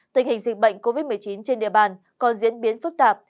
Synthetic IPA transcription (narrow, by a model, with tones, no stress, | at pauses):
t̪ï˨˩ŋ̟hï˨˩ŋ̟zɨ˨˩k̚ɓə̰˧˨jŋ̟ko˧vi˦˥t̚mɨ˨˩əjt͡ɕi˨˦nt͡ɕe˧nɗḭ˧˨əɓaː˧˩n | kɔ˧˩nzḭ˧˥ənɓi˨˦ənfɨ˦˥k̚t̪aː˨˩p̚